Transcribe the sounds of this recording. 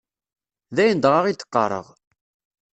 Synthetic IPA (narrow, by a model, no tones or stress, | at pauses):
ðæjənd̪ʁɑʁit̪ːə̥qːɑ̰ɾˤə̰ʁ